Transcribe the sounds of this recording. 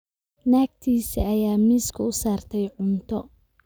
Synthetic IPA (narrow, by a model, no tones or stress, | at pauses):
naːɡ̚t̪ʰiːsiɐjaːmiːskʰʊʊsaːrt̪ʰɛjʕʊnt̪ʰɔ